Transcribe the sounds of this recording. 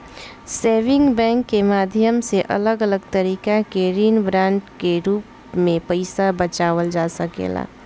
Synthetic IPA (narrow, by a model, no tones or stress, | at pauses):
seːʋɪ̃ŋɡbɛ̃ːŋkːemaːd̪ʱjəmseʔɐ̰ləɡələɡt̪əɾiːkakeɾiːnbɾãːɳʈkeɾuːp | mẽpəɪsabət͡ʃaːʋəld͡ʒaːsəkḛːla̰ː